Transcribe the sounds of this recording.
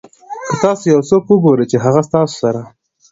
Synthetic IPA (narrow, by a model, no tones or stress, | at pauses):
kət̪ɑsojawsokwəɡoɾejt͡ʃeɦaɣast̪ɑso̥saɾa